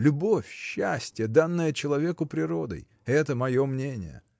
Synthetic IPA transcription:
lʲʊbo̞fʲɕːæsʲtʲɪjəd̪anːəjət͡ɕɪlˠɐvʲe̞kʊpɾʲɪɾo̞d̪ə̰j | ɛt̪əmɐjo̞mnʲenʲɪ̰jə̰

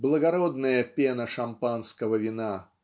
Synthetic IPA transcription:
blˠəɡɐɾod̪nəjəpʲenəʂɐmpanskəvəvʲɪna

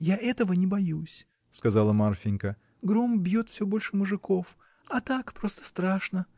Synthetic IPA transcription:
jaʔɛt̪əvənʲɪbɐjusʲ | skɐzalˠəmarfʲɪnʲkə | ɡɾo̞mbʲjo̞t̪fsʲɵbo̞lʲʂɨmʊʐɨko̞f | ɐt̪akpɾo̞st̪ə̥st̪ɾaʂnə

